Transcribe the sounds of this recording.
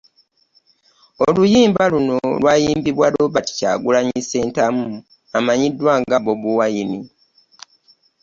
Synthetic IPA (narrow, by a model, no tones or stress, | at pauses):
olujiːmbaluno̞lwaːjiːmbiβwaloβati̥ca̰ːɡulaɲise̞ːntamu | amaɲidːwaːŋɡaβo̞βuwajini